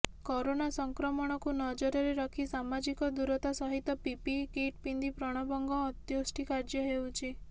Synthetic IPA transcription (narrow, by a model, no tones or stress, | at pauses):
kɔɾonasɔŋkɾɔmɔɽ̃ɔkunɔd͡ʒɔɾɔɾeɾɔkʰisamad͡ʒikɔd̪uɾɔt̪asɔɦit̪ɔpipipkeʈpind̪ipɾɔɽ̃ɔbɔŋɡɔːt̪josʈʰikaɾd͡ʒjɔɦewt͡ʃʰi